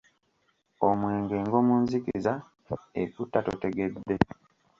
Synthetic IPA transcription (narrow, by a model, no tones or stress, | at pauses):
omwe̞ːŋɡe̞ːŋɡo̞ːmunzikiza | ekutːato̰te̞ɡe̞d̪ːe̞